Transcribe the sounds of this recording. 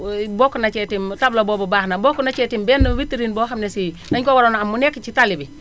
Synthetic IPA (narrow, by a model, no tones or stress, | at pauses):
bɔkunat͡ʃɛtimtablobɔbɔbahnabɔkːunat͡ʃɛtimbɛnːuwitiɾinbɔɦamnesi | naɲkowaɾonamːunɛkːt͡ʃitalibi